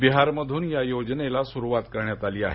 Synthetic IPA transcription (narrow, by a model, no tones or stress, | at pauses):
biɦaɾməd̪ʱuːnjajod͡znelasuɾuʋat̪kəɾɳjat̪aliːa̰ɦe